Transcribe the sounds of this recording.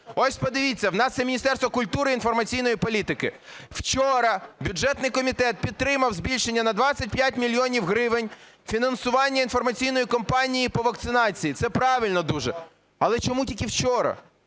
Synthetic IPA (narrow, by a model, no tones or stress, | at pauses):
ɔsʲpɔd̪ɪʋʲit͡sʲːɐwnɑst̪ːɛmʲinʲist̪ɛrst̪ʋɔkʊlʲt̪uɾɪinfɔrmɐt͡sʲijn̪ɔjipɔlʲit̪ɪkɪ | w̥t͡ʃɔɾɐbʲʊdʒɛt̪nɪjkɔmʲit̪ɛt̪̚pʲid̪̚t̪ɾɪmɐwzʲbʲilʲʃenʲːɐnɐd̪ʋɑt͡sʲːɐt̚ʲpjatʲmʲilʲjɔnʲiwɦɾɪʋɪnʲ | fʲinɐnsʊʋɑnʲːɐin̪fɔrmɐt͡sʲijnɔjikɔmpɑnʲijipɔʋɐkt̪sɪnɑt͡sʲijit̪sɛpɾɑʋʲɪlʲnɔd̪uʒɛ | ɐlˠɛt͡ʃɔmutʲikiwt͡ʃɔɾɐ̰